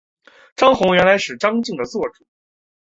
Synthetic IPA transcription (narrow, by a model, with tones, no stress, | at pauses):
ʈ͡ʂɑ˥ŋxʊ˧˥ŋɥɛ˧˥nla˧˥ɪʂɻ̩˨˩ʈ͡ʂɑ˥ŋt͡ɕi˥˩ŋd̪ə˩t͡swɔ˥˩ʈ͡ʂu̥˨˩˦